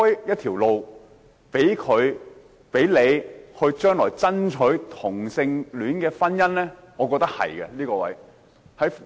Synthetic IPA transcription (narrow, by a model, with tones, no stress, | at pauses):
ɔ˥jjɐ˥t̪ʰiː˨˩wlo˨˧w | pe˨˥jkʰɵ˨˧ɥ | pe˨˥jle˨˧jhɵ˧ɥt͡ʃœː˥ŋlɔː˨˩jt͡sɐ˥nt͡ʃʰɵ˨˥ɥt̪ʰʊ˨˩ŋsɪ˧ŋlyː˨˥nkɛː˧fɐ˥njɐ˥nlɛː˥ŋɔː˨˧kɔː˧k̚t̪ɐ˥k̚hɐ̰˨˩jkɛ̰˧liː˥kɔː˧wɐ̰˨˥j | hɐ˨˥j